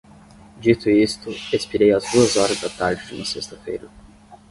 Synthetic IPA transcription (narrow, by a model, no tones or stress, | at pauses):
d͡ʒit̪ʊist̪ʊespiɾejɐzd̪uɐzɔɾɐzd̪ɐt̪aɾd͡ʒɪd͡ʒṵmɐsest̪ɐfḛjɾɐ